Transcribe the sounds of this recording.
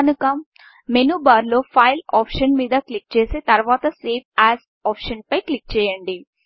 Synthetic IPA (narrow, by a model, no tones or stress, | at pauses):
nukɐ | menuːbaːɾlo̞ːpʰɐjlaːpʂɐnmiːd̪ɐklik̚t͡ʃeːseːt̪ɐɾʋaːt̪ɐseːpʰaːz | aːpʂɐnpɐjklik̚t͡ʃɛːjɐɳɖi